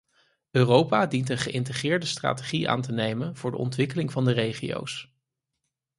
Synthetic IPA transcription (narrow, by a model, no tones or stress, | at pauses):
ʔøːrowpaːdintənχəʔɪntəχɪːɹdəstra̰ːteχiʔa̰ːntənejmənvʊːɹdə̰ʔɔ̰ntʋɪkəlɪŋvɑndərejχijo̰ws